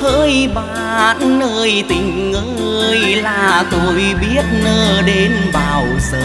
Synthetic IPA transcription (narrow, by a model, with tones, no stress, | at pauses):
həː˧jɓaː˧˨nːəː˧˩jt̪ï˨˩ŋ̟ŋə˧˦ | jlaː˨˩t̪o˧˩jɓi˦˥ət̚nəː˧ɗe˨˦nɓaː˨˩wzə̰ː˧˨˩